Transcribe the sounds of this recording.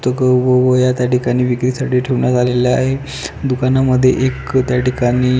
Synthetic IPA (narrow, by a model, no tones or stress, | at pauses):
t̪əkəʋəʋəjat̪jaʈikaɽ̃iːʋikɾisaʈiːʈʰeʋɳjad͡zalelaɦe | d̪ukanaməd̪ʱːjḛʔekt̪jaʈikaɽ̃iː